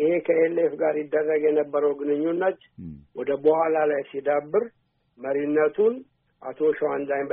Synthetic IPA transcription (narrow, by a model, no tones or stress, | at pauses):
ʔɨhekʰəelefɡaɾjɪd̪ːərːəɡjɛnəbːəɾəwɡɨnɨɲːunːət̪ | wɔd̪əbəhalalajsid̪abːɨɾ | məɾinːət̪ʰun | ʔa̰t̪ʰo̞ʃwand̪ajm